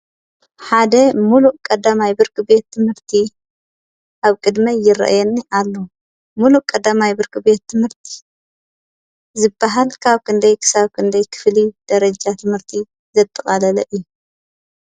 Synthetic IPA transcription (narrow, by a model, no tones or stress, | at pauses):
ħad̪ɐmuluʔkʼɐd̪ːamajbɨɾkɨbe̞t̪ʰːɨmhɨɾt̪ʰi | ʔaβkʼɨd̪mɐjɪɾɐ̰ʔjɛnːiʔalːo | muluʔkʼɐd̪ːamajbɨɾkɨbe̞t̪ʰːɨmhɨɾt̪ʰi̥ | zɨbːaɦalkʰaβkʰɨnd̪ɐjkʰɨ̥saβkʰɨnd̪ɐjkʰɨ̥flid̪̥ɐɾɐd͡ʒat̪ʰɨmhɨɾt̪ʰi | zɐt̪ʼːɐχʼɐlɐlɐʔɨjːu